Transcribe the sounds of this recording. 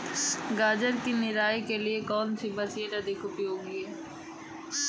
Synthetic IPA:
ɡaːd͡ʒəɾkinɪɾaːikeliekɔːnsibɐsiəʈ̪ɐd̪ikʰʊpiɦoːɡiɛː

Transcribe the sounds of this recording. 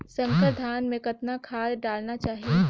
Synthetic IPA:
sɐ̃ŋkəɾd̪ʱaːnmẽkɐt̪nakʰaːlɖaːlnat͡ʃaːɦie

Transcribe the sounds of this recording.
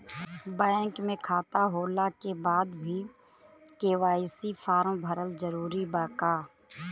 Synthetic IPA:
baŋkmẽkʰaːt̪aɦoːlakebaːd̪bʱi | keːʋaːisipʰaːɾmbʱəɾəlzəɾuːɾibaːkaː

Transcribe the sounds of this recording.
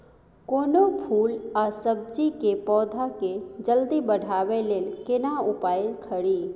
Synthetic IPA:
koːnopʰuːlasəb̚d͡ʒikepɔːd̪ʱaked͡ʒəld̪ibəɽ̤ʱaːʋeleːlkɪnaʊpaːjɪlkʰəɽiː

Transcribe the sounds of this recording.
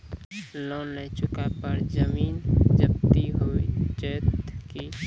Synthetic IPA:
lɔ̃nɛt͡ʃʊkapəɾd͡ʒəmiːnd͡ʒəb̚t̪iɦot͡ʃət̪ki

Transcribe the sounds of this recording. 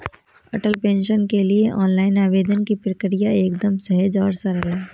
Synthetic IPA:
ɐʈəlpẽːnʃənkelieʔɔːnlaːɪnaːʋeːd̪ənkipɾəkɪɾijaeːkd̪əmsɐɦəd͡ʒɔːɾsɐɾəɦeː

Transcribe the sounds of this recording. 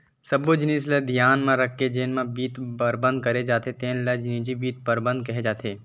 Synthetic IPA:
sɐbod͡ʒnĩːsləd̪ʱjaːnmãɾɐkʰːed͡ʒeːnmãbiːt̪pəɾbə̃nd̪̚kɐɾed͡ʒaːt̪et̪eːnlɐd͡ʒnĩːd͡ʒibiːt̪̚pəɾbə̃nd̪̚kɐɦed͡ʒaːt̪ʰeː

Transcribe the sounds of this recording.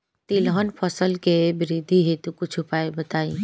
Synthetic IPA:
t̪ilɦənpʰɔsəlkebɪɾid̪ʱiɦet̪ukʊt͡ʃʰʊpaːebɐt̪aːi

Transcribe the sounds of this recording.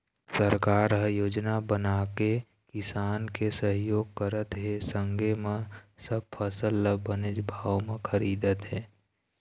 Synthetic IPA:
səɾkaːɾɦəjoːd͡ʒnabənaːke | kɪsaːnkesəɦjoːɡ̚kəɾət̪ɦesə̃ŋɡemẽsəb̚pʰəsəlːəbənɪd͡ʒbʱaːʋmẽxʰəɾiːd̪ət̪ɦɛː

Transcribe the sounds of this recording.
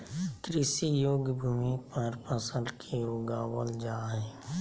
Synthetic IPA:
kɾɪsijoːɡbʱuːmipəɾpəsə̃nd̪kʰeɾoːɡaːwəld͡ʒaːɦɛː

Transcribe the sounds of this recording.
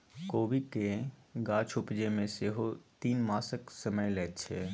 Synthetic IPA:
koːʋikeɡaːt͡ʃʰʊpd͡ʒemẽseɦot̪iːnmaːsəksəməjlɛːt̪t͡ʃʰeː

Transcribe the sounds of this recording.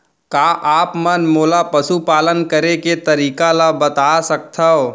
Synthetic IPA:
kaːʔaːpmənmoːlapəsupaːlənkəɾeket̪ɐɾiːkalabət̪aːsɐk̚t̪ʰəo

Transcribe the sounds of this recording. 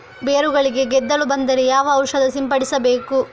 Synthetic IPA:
beːɾuɡɐɭiɡe̞ɡɛd̪ːɐɭubɐnd̪ɐɾejaːʋɐːwʂɐd̪ɐsimpɐɽisɐbeːku

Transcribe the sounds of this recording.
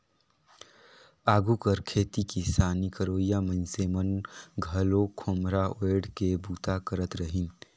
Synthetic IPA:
aːɡukəɾkʰeːt̪ikisaːnikəɾoːjamə̃nsemənɡʱəlokʰomɾaeːɽkebuːt̪akəɾət̪ɾəɦɪn

